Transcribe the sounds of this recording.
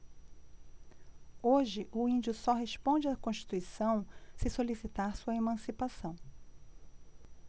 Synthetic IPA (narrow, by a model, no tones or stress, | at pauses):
oʒɪʔʊĩnd͡ʒʊsɔɦeʃpõd͡ʒɪakõʃt͡ʃi̥t̪uisɐ̃w̃sɪsolisit̪aɾsuɐemɐ̃sipasɐ̃w̃